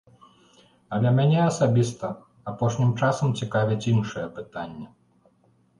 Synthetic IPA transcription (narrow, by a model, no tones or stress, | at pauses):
ɐlʲɐmʲanʲɛɐsabʲist̪ɐ | apɔʂnʲimt͡ʂasɐmt͡sʲikavʲit͡sʲinʂɐjɛpɨt̪anʲːɐ